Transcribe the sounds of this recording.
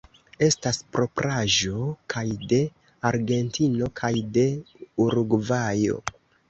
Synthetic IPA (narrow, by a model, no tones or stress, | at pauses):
e̞staspɾo̞pɾaʒo̞kʰajde̞ | aɾɡe̞ntʰino̞kʰajde̞uɾuɡvajo̞̰